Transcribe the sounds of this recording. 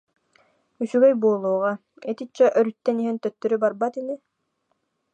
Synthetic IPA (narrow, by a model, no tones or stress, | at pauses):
ysyɡœjbuːlˠuːʁɑ | et̪it͡ɕːɛʔœɾyt̪ːɛniɦɛnt̪œt̪ːœɾybaɾbat̪ini